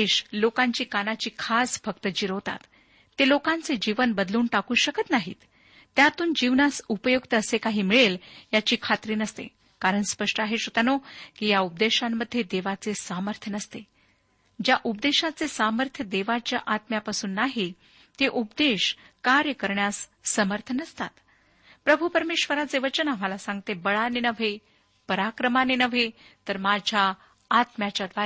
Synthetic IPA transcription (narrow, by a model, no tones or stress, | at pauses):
eɕlokãɲt͡ɕiːkanat͡ɕiːkʰasfək̚t̪əd͡ʑiɾot̪a̰t̪ː | elokant͡sed͡ʑiʋənbəd̪luːnʈakuːɕəkət̪naɦḭːt̪ː | jat̪uːnd͡ʑiʋnasupəjukt̪əəsekaɦiːmiɭeljat͡ɕiːkʰat̪ɾiːnəst̪ḛ | kaɾəɳspəʂʈəaɦeɕot̪anokiːjaup̚d̪eɕamːəd̪ʱːjed̪eʋat͡sesaməɾt̪ʰjənəst̪e | d͡ʑjaʔup̚d̪eɕat͡sesaməɾt̪ʰjəd̪eʋat͡ɕjaʔat̪mjapasuːnːaɦi | t̪eʔupd̪eɕkaɾjəkəɾɳjasːəməɾt̪ʰənəst̪at̪ | pɾəbʱupəɾmeɕʋəɾat͡seʋət͡ɕənam̤alasãŋɡ̚t̪ebəɭanenəʋ̤ʱe | pəɾakɾəmanenəʋet̪əɾmad͡ʑʱjaː | t̪mjat͡ɕjad̪ʋa